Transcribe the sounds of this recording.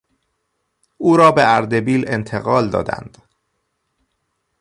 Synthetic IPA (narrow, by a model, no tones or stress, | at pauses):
uːɾɒːbeʔæɾd̪e̞biːle̞nt̪ʰe̞ɣɒːld̪ɒ̰ːd̪æ̰nd̪̥